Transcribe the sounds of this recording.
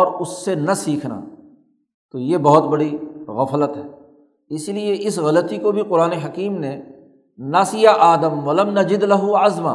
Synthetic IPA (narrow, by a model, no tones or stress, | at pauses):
ɔːɾʊsːenɐsiːkʰna̰ː | t̪ojebɔɦʊt̪bɐɽiɣɐflət̪ɦɛː | ɪslieʔɪsɣɐlət̪ikobʱiqʊɾaːneɦɐkiːmne | nasijaʔaːd̪əmʋɐlɐmnɐd͡ʒɪd̪lɐɦuʕɐzma̰ː